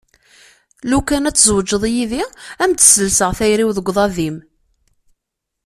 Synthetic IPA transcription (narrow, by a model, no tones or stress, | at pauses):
lukænæt͡sːzwəd͡ʒːəðˤjiðiæmt̪ə̥səlsəʁθæjɾiwðəɡʷðˤɑðim